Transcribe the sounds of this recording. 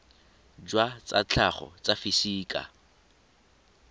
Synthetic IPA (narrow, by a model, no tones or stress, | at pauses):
d͡ʒwat͡sat͡ɬʰaχɔ̰t͡safisiːkʼa̰